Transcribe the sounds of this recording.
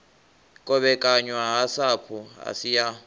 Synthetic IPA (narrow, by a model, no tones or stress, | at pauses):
kʼɔβɛkʼaɲwaɦasapʰua̰sija